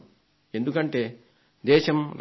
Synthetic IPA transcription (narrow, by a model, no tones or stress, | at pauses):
e̞nd̪ukɐɳʈe̞ː | d̪ɛːʃɐmɾ